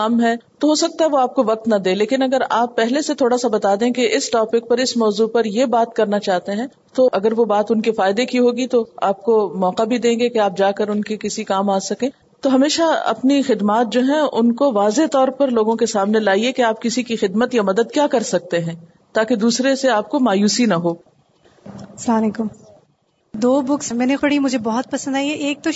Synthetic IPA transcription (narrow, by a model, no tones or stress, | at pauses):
ɐmɦɛt̪oɦoːsɐk̚t̪aɦɛʋoaːp̚koʋɐq̚t̪nɐd̪ẽːleːkɪnɐɡəɾaːpːɛɦleset̪ʰoːɽasabɐt̪aːd̪ẽːkeɪsʈɔːpɪk̚pɐɾɪsmɔːzupɐɾjebaːt̪̚kɐɾnat͡ʃaːɦt̪eɦɛ̃ | t̪oʔɐɡəɾʋobaːt̪ʊnkefaːɪd̪ekiɦoːɡit̪oaːp̚komɔːqabʱid̪ẽːŋɡekeaːp̚d͡ʒaːkɐɾʊnkekɪsikaːmaːsɐkẽː | t̪oɦɐmeːʃaɐ̰pnixɪd̪maːt̪̚d͡ʒoːɦɛ̃ʊ̰nkoʋaːzet̪ɔːɾpɐɾloːɡõkesaːmnelaːiekeaːp̚kɪsikixɪd̪mət̪jamɐd̪əd̪kjaːkɐɾsɐk̚t̪eɦɛ̃ː | t̪aːked̪uːsɾeseaːp̚komaːjuːsinɐɦoː | ɐslaːmleːkʊm | d̪oːbʊksmɛːnexʊɽimʊd͡ʒʱebɔɦɔt̪̚pɐsə̃nd̪aːiɛʔeːk̚t̪o